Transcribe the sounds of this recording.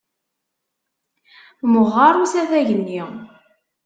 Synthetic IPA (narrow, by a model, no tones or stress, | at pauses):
məʁːɑɾˤusæθæʝənːi